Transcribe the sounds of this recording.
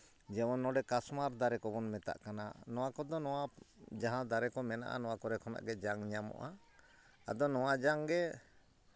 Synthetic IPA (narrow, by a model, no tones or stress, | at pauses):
d͡ʒɛmɔnːɔɖɛkasmaɾd̪aɾɛkɔbɔnmɛt̪a̰ʔkana̰nɔwakɔd̪ɔnɔwad͡ʒaɦãd̪aɾɛkɔmɛna̰ʔa̰nɔwakɔɾɛkʰɔna̰ʔɡɛd͡ʒaŋɲamɔ̰ʔa̰ | ad̪ɔnɔwad͡ʒaŋɡɛ